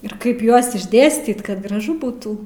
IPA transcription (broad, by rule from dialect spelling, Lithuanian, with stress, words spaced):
ɪr ˈkɐɪp ˈjuɔs ɪʒʲˈdʲeːsʲtʲiːt kɐt ɡrɐˈʒʊ ˈbuːtuː